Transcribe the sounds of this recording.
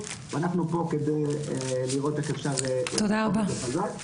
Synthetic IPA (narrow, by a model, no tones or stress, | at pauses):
veanaχnupo̞ked̪ejeliʁʔo̞t̪eχefʃaʁet̪od̪aʁabaeazal